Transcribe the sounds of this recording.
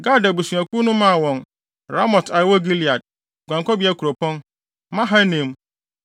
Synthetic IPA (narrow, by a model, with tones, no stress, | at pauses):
ɡa˦da˨bu˨su˨a˨ku˦nʊ̃˦mã˦˨wɔ̃˨n | ɾa˦mɔ˨ta˨jɪ˨˦wɔ˦ɡi˦li˨a˨d̚ | ɡʷã˨ŋkɔ˦bi˦a˦kʰu˨ɾo˨pʰɔ̃˦n | mã˦ɦa˦nẽ˨m˦